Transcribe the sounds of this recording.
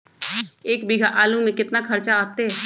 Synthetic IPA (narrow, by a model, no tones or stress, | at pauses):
eːkbɪɡʱaʔaːlũmẽkɪt̪nakʰɐɾt͡ʃaaːt̪eɦɛ